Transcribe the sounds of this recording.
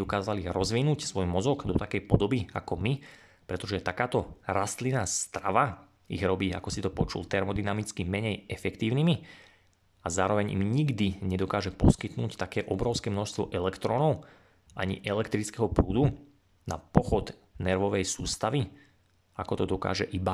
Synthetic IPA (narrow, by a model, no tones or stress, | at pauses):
d̪ɔkaːzaliɣɾɔzʋinuːcsʋɔjmɔzɔɡd̪ɔt̪akɛjpɔd̪ɔbia̰kɔmi | pɾɛt̪ɔʒɛt̪akaːt̪ɔɾast̪linaːst̪ɾaʋa | ḭɣɾɔbiːa̰kɔsit̪ɔpɔt͡ʃṵlt̪ɛɾmɔd̪inamit͡skimɛɲɛjɛfɛkt̪iːʊnimi | azaːɾɔʋɛɲḭmɲiɡd̪iɲɛd̪ɔkaːʒɛpɔskit̪nuːct̪akɛːʔɔbɾɔʊskɛːmnɔʃst̪ʋɔ̰ʔɛlɛkt̪ɾɔnɔʊ | ʔaɲḭʔɛlɛkt̪ɾit͡skɛɦɔpɾuːd̪u | na̰pɔxɔd̪ | nɛɾʋɔʋɛjsuːst̪aʋi | akɔt̪ɔd̪ɔka̰ːʒɛʔiba